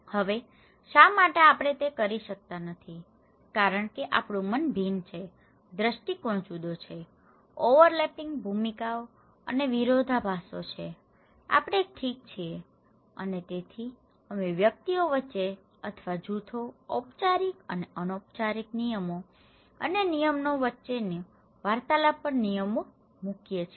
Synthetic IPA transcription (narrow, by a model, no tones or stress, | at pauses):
həʋe | ʃamaʈeapɽ̃et̪ekəɾiʃək̚t̪anət̪ʰi | kaɾəɳkeʔapɽ̃ũmənbʱint͡ʃʰe | d̪ɾəʃʈikoɽ̃t͡ʃud̪ot͡ʃʰe | oʋəɾlepɪ̃ŋɡbʱumikao | ə̰neʋiɾod̪ʱabʱasot͡ʃʰe | a̰pɽ̃eek̚ʈʰik̚t͡ʃʰie | ə̰net̪et̪ʰi | əmeʋjək̚t̪ioʋətːt͡ʃːʃe | ət̪ʰʋad͡ʒut̪ʰoːpt͡ʃaɾikə̰neənop̚t͡ʃaɾiknijəmo | ə̰nenijəmnoʋətːʃene | ʋaɾt̪alapəɾnijəmo | mukjet͡ʃʰ